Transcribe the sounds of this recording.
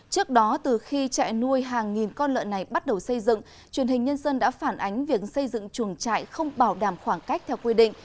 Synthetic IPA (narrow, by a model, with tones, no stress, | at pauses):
t͡ɕɨ˦˥ək̚ɗɔ˨˦t̪ɨ˨˩xi˧t͡ɕa̰ː˧˨jnu˧əjɦaː˨˩ŋːi˨˩nkɔ˧nlə̰ː˧˨nːa˨˩jɓa˦˥t̚ɗə˨˩wsə˧jzɨ̰˧˨ŋ | t͡ɕwi˨˩ənhï̟˨˩ɲə˧nzə˧nɗa̰ː˧˥faː˧˩nʔa˨˦jŋ̟vi˨˩ək̚sə˧jzɨ̰˧˨ŋt͡ɕu˧˩əŋt͡ɕa̰ː˧˨jxə˧wŋ͡mɓaː˧˩wɗaː˧˩mxwaː˧˩ŋka˦˥jk̚t̪ʰɛ˧wkwi˧ɗḭ̈˧˨ŋ̟